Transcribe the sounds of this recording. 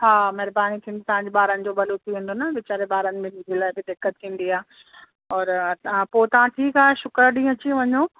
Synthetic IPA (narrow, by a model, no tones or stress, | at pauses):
ɦaːmɐɦɾbaːnit̪ʰĩːnd̪ot̪ɐʋãːɲd͡ʑɓaːɾənɪ̆d͡ʑoːbɐlot̪ʰiʋĩːn̆d̪onɐʋɪt͡ɕaːɾebaːɾənɪ̆mẽmʊd͡ʑeːlaːɪbɪd̪ɪkːət̪̚ʰĩːn̆d̪iaː | ɔːɾpoːt̪ɐʋ̤ãʈʰiːkaːɦeʃʊkɾɗĩːɐt͡ɕĩʋɐɲoː